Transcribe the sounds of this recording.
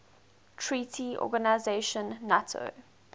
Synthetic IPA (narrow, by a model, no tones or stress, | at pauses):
tʰɹiːtʰiʔɔ̰ɡanaɪzeʃə̃nːatʰo̰